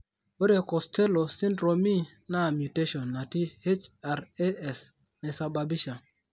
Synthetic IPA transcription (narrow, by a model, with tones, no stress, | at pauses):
o˦ɾe˨kɔ˨stɛ˦lo˨si˦ndɾo˨mi˦na˦˨mju˨te˦ʃɔ˨nːa˨ti˦he˦t͡ʃa˨ɾe˦ɛ˨s | nɛ˨sa˨ba˨bi˦ʃa˨